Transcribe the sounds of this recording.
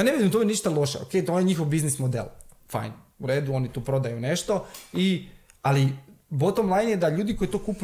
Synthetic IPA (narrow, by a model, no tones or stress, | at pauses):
janeid̪imt̪omeniʃt̪alˠo̞ʃḛo̰kejt̪oonjeɲixoʋbiznismod̪ḛlfa̰jnuɾeːd̪uo̞nit̪uːpɾo̞d̪ajuneʃt̪o̞i | alibot̪omlˠajnjed̪aʎuːd̪ikoit̪okup